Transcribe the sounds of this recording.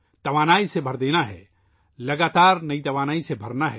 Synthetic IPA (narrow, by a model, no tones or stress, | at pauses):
t̪ɐʋaːnaːisebʱɐɾd̪eːnaɦɛ̰ː | lɐɡaːt̪aːɾnɐit̪ɐʋaːnaːisebʱɐɾnaɦɛː